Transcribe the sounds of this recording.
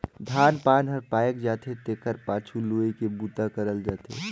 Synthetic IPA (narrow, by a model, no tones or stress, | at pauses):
d̪ʱaːnpaːnɦəɾpaːjəkd͡ʒaːt̪et̪eːkəɾpaːt͡ʃʰuluːekebut̪akəɾəld͡ʒaːt̪ḛː